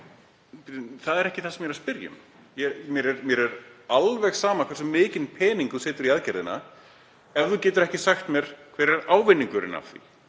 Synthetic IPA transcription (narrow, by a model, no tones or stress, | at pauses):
θaðɛɾɛhcɪθasɛmjɛɾaspɪɾjʏ̰m | jɛmjɛɾɛɾmjɛɾɛɾalvɛxsaːmakʰvɛɾsʏmːɪːcɪnpʰɛːniŋkuseːt̪ʏɾiaðcɛɾðɪna̰ | ɛvθucɛːt̪ʏɾɛhcɪsaxt̪mjɛɾ̥kʰv̥ɛːɾɛɾaːwvɪnːiŋkʏɾɪ̰na̰vθḭ